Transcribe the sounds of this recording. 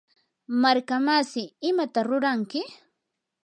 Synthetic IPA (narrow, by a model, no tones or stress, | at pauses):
maɾkamasɪɪmat̪aɾʊɾaŋkɪ